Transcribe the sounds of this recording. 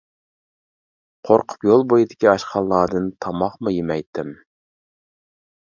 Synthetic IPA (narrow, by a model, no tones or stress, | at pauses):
qʰoɾqʰʊ̥pjolˠbojid̪ɪkʲiɑʃqʰɑlˠːɑːd̪ɨnt̪ʰɑmɑχmɨjimɛjt̪ʰːɪm